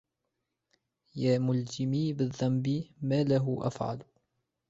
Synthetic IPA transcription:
jaːmʊld͡ʒɪmiːbɪðˤːɑmbiːmaːlaɦʊʔa̰fʕa̰l

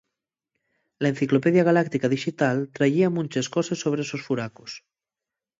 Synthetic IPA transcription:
laenθiklopeðjaɣ̞alak̚t̪ikaðiʃit̪alt̪ɾaʝiamũnʲt͡ʃeskosesːoβ̞ɾeesosfuɾakos

